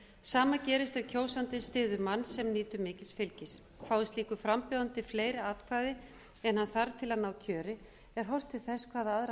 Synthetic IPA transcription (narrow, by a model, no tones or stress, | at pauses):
saːmacɛːɾɪst̪ɛvcʰoːwsant̪ɪst̪ɪːðʏmanːsɛmniːt̪ʏmɪːcɪsfɪlcɪs | faːwðɪst̪liːkʏfɾampʏːðant̪ɪfleːjɾɪaːt̪kʰvajðɪ | ɛnhanθaɾt̪ʰɪlaðnaːwcʰœːɾɪ | ɛɾ̥ɦɔwr̥t̪ʰɪθɛskʰvaːðaaðɾa